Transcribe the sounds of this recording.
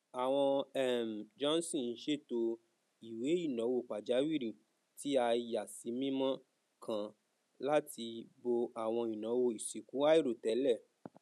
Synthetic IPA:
a˨w̃ɔ̃˧ɛ˦˨m̩˨d͡ʒɔ̃˦n˦sĩ˦˨n̩˦ʃe˦˨to˧ | i˨we˨˦i˦˨nɔ̃˨˦wo˦˨k͡pa˨d͡ʒa˨˦wi˦˨ɾi˨ | ti˦a˧ja˨si˨˦mĩ˦mɔ̃˦ | kʰã˦˨ | la˦ti˧bo˧a˦˨w̃ɔ̃˧i˨nɔ̃˨˦wo˦˨i˨si˨kũ˨˦a˦i˦˨ɾo˨tɛ˨˦lɛ˦˨

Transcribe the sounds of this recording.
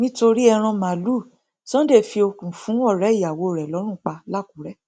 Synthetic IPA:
nĩ˦to˧ɾi˦ɛ˧ɾ̃ã˧mã˨lu˦˨ | sɔ̃˦de˦˨fi˧o˧kũ˨fũ˨˦ɔ˦˨ɾɛ˨˦i˦˨a˨wo˨˧˨ɾɛ˨lɔ˨˦ɾ̃ũ˦˨k͡pa˧la˦˨ku˨˦ɾɛ˦

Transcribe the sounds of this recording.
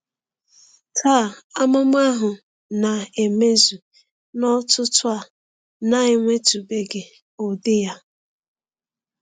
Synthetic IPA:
tʰaː˦˨a˦mʊ˦m˦a˦ɦʊ˨ | na˨e˨me˦zu˨ | nɔ˦tʊ˦tʊ˦a˨ | na˦ɪ˦ŋʷe˦tu˨be˨ɡɪ˨ | o˨dɪ˦ja˦

